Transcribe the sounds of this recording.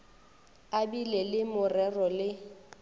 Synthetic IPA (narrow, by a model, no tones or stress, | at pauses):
abilɛlɪmʊrɛrɔlɪ